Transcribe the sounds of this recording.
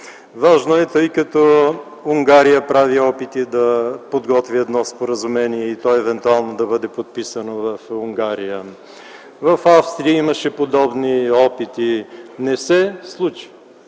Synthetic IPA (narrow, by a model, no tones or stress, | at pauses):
vaʒnoɛt̪əjkɐt̪ɔ | uŋɡaɾijəpɾaviɔpit̪id̪ɐpod̪ɡɔt̪viɛd̪nɔspoɾəzumɛniɛit̪ɔɛvɛnt̪ualˠnod̪ɐbɤd̪ɛpot̪̚pisənovɐfuŋɡaɾijə | vɐfafst̪ɾiəiməʃɛpod̪ɔbniɔpit̪inɛsɛslˠut͡ʃi̥